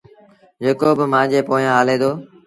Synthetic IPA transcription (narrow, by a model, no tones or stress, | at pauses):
d͡ʒeːkoːbɪmãːd͡ʑeːpoːjãːɦaːleːd̪oː